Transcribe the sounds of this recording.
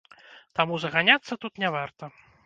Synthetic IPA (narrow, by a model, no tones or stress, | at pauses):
t̪amuzɐɣanʲat̪sːɐt̪ut̪nʲɛvart̪ɐ